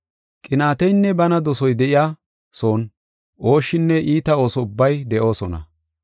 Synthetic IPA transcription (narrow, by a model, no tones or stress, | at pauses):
kʼɪnaːt̪ɛjnːɛbɐnɐd̪ɔsɔjd̪ɛʔɪjaː | so̞ːn | ʔo̞ːʃːɪnːɛʔiːt̪ɐo̞ːsɔʊbːɐjd̪ɛʔo̞ːsɔnɐ̰